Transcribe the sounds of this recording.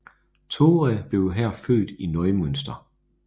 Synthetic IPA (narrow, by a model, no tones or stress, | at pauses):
t͡sʰo̝ːʁæb̥le̝ʊɦæɐ̰fø̰ːd̥inɒɪmønsd̥ɐ